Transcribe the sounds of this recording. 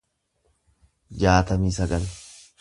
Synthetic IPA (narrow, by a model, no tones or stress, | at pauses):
d͡ʒaːt̪ɐmiːsɐɡɐl